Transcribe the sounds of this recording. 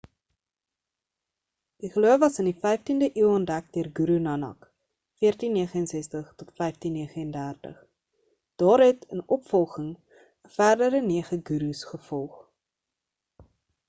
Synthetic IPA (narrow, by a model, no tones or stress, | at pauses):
d̥iχəluəvɐsəndifɛjftindəʔiəwəndæk̚diərɡuɾunɐnɐ̰k | fiərtinːiəχəənsɛstəχtotfɛjftinːiəχəəndæːrtə̰χ | d̥ɑːɾɦɛtənɔpfɔlˠχəŋ | əfærdəɾəniəχəɡuɾusχəfɔlˠχ